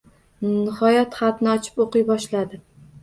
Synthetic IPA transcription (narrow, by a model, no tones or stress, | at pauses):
nɪhɒjat̪χɑt̪nɪɒt͡ʃʰɪ̥poqɨjbɒʃlad̪ɪ